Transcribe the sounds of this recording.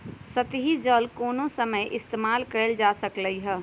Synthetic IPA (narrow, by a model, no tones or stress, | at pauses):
sət̪ɦid͡ʒəlkoːnõsəməjʔɪst̪eːmaːlkəɾəld͡ʒaːsəkləiɦɛː